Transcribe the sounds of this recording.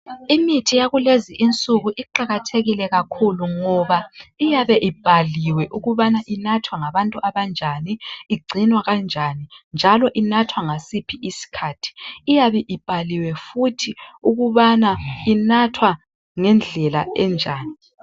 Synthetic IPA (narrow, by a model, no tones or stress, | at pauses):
imitʰijaɣuleziʔint͡sʼuɣuʔiǃaɣatʰeɣilɛɣakʰuluŋɔβaijaβɛʔib̥ʱaliwɛʔuɣuβanaʔinatʰwaŋaβantʼuʔaβand͡ʒʱaniːɡ͡ǀʱinwaɣand͡ʒʱanind͡ʒʱalɔʔinatʰwaŋasipʰiʔisi̥kʰaːtʰi̥ːjaβɛʔib̥ʱaliwɛfutʰiuɣuβanainatʰwa | ŋɛnd͡ɮʱɛla̰ʔɛnd͡ʒʱaːni